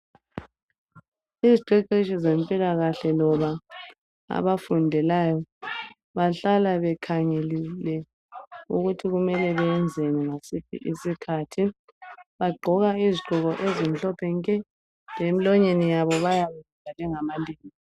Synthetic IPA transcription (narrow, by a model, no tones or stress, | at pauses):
iziǃɛǀiʃizempʼilaɣaɬɛlɔβa | a̰βafundʱɛlajɔ | βaɬalaβɛkʰaŋelilɛ | uɣutʰiɣumɛlɛβɛɛnd͡zʱeniβasip̚ʰḭʔisikʰatʰi | βaɡ͡ǃʱɔɣaiziǃʱuɣɔʔezim̩ɬɔpʰɛŋkʼɛ | lemilɔɲenijaβɔβajaβazuvalɛŋamaliːŋi